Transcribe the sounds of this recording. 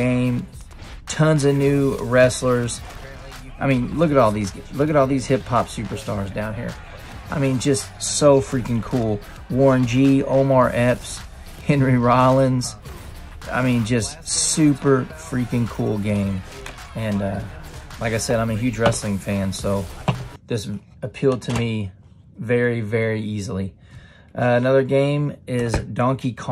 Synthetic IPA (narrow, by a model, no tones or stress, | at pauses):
ẽɪ̃m | tʰʌ̃nzɨnʉɹɛslə˞z̥ | aɪmĩnlʊkɨɾɔlˠðizɡlʊkɨɾɔlˠðiz̥hɪpʰɑpsʉpə˞stɑɹzdãʊ̃nhiɹ | ʔaɪmĩnd͡ʒʌstsoʊfɹikɨ̃nkʰulˠ | wɔɹɨ̃nd͡ʒio̰ʊ̃mɑɹʔɛps | hɛ̃nɹiɹɑlˠə̃nz̥ | a̰ɪmĩnd͡ʒʌstsʉpə˞fɹikɨ̃nkʰulˠɡẽɪ̃m | ɨ̃nʌlaɪkaɪsɛɾãɪ̃mɨɦjʉd͡ʒɹɛslɪ̃ŋfæ̃nsoʊðɪs | ɨpʰilˠd̚tʰɨmi | vɛɹivɛɹiizl̩ˠi | ʔʌɨnʌðə˞ɡẽɪ̃mɪzdɑ̃ŋkikʰ